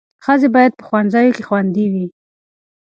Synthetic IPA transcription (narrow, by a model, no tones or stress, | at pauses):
xəzebɑjad̪̚pə̥xwanzajokexwand̪iwi